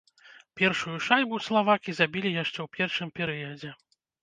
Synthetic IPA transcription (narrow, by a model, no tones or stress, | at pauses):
pʲɛrʂujuʂajbuslˠavakʲizabʲilʲijaʂt͡ʂɛwpʲɛrʂɨmpʲɛɾɨjɐd͡zʲɛ